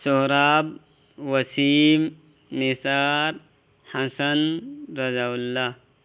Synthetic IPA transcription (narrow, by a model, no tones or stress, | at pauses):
soɦɾaːb | wɐsiːm | nisaːɾ | hɐsɐnɾɐzaulːa